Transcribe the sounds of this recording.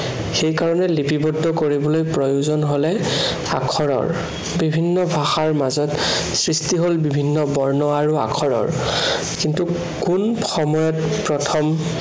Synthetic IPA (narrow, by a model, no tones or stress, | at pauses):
xejkaɹɔnɛlipibɔdːɔkoɹibɔlojpɹɔjuzɔnɦolɛ | a̰kʰɔɹɔ̰ɹ | bibʱinːɔbʱaxaɹmazɔt | sɹistiɦolbibʱinːɔbɔɹnɔaɹua̰kʰɔɹɔ̰ɹ | kintu | kunxɔmɔjɔtpɹɔtʰɔm